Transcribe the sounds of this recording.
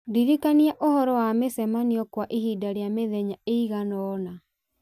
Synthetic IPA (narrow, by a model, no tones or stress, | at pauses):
diɾikaniaʔohɔɾɔwamesɛmaniɔkwaʔihidaɾeameðɛɲaeiɣanɔːna